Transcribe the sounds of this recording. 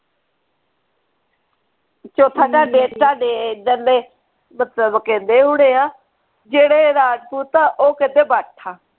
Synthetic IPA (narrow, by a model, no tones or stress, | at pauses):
t͡ʃoːt̪ʰãːd͡ʒaːɖeːʈaːɖeːd͡ʒəleː | mət̪ləbkɛ̃ːnd̪eːɦʊɽeːãː | d͡ʒeːɽeːɾaːd͡ʒpuːt̪ãːʔoːkɪt̪eːbaːʈʰaː